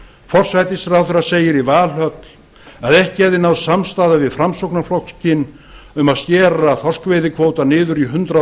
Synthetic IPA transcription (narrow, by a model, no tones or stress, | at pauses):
fɔr̥sajt̪ɪsɾawθɛɾaseːjɪɾivaːlɦœt̪l̥ | aðɛhcɪɛðɪnaðsamst̪aːðavɪðfɾamsowknaflɔkscɪn | ʏmaðst̪jɛːraθɔr̥skvejðɪkʰvoːwt̪anɪːðʏɾiɦʏnt̪ɾa